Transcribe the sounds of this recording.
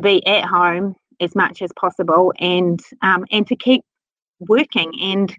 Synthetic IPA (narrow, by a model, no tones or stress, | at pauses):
biʔəʔɦõʊ̃m | ɨzmʌ̰t͡ʃɨz̥pʰɒsəbəlˠɨ̃nʔʌ̃mɨ̃ntʰɨkʰiˑp̚ | wɜˑkɪ̃ŋɨ̃n